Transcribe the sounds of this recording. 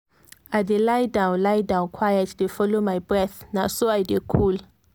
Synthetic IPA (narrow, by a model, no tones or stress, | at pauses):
adelajdãw̃nlajdãw̃nkʰwajaddefɔlomajbɹɛθnasoajdekʰul